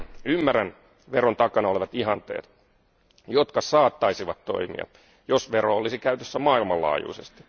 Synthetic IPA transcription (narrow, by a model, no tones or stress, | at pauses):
ymːæræn | ʋeront̪ɑkɑnɑoleʋɑt̪iɦɑnt̪ḛːt̪ | jot̪kɑsɑːt̪ːɑisiʋɑt̪t̪o̞̰imḭɑ̰ | josʋeɾoolːˑisikæyt̪øsːæmɑːilmɑlːɑ̰ːjṵisest̪i̥